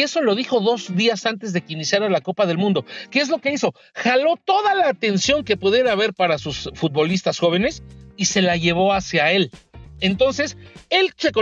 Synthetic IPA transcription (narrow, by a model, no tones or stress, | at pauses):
e̞so̞lo̞ðixo̞ðo̞zðiasant̪e̞zðe̞kinisjaɾalako̞paðe̞lmũnd̪o̞keezlo̞ke̞iso̞ | xalo̞t̪o̞ðalaːt̪e̞nsjo̞ŋke̞puðje̞ɾaːβeɾpaɾasusfut̪̚βo̞list̪asxo̞β̞ene̞sise̞laʝe̞β̞o̞asjae̞le̞nt̪o̞nse̞se̞lt͡ʃeko